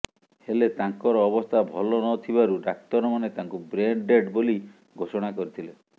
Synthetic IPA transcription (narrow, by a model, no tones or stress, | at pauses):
helet̪aŋkɔɾɔːbɔst̪ʰabʱɔlɔnɔt̪ʰibaɾuɖak̚t̪ɔɾɔmanet̪aŋkubɾeɳɖɖeɖboli | ɡʱosɔɽ̃akɔɾit̪ʰile